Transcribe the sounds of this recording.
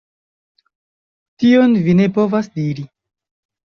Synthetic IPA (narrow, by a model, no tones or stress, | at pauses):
tio̞nvine̞po̞vasdiɾi